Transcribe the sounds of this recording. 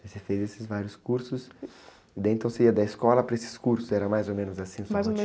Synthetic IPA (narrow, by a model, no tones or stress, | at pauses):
vosefejzesɪzvaɾjʊskuɾsʊs | ɪd̪ɛẽnt̪ɐ̃w̃seiɐd̪aɪskɔlɐpɾɐesɪ̥skuɾsʊsɛɾɐ̃majzomẽnʊzasĩsaj